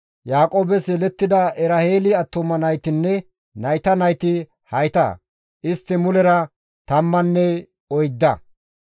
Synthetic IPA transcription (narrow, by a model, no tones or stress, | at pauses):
jaːkʼoːbɛsɛlɛt̪ːɪd̪ɐʔɛɾɐheːlɪɐt̪ːɔmɐnɐjt̪ɪnːɛ | nɐjt̪ɐnɐjt̪ɪ | hɐjt̪ɐ̰ | ʔɪst̪ːɪmʊlɛɾɐ | t̪ɐmːɐnːɛ | ɔjd̪ːɐ̰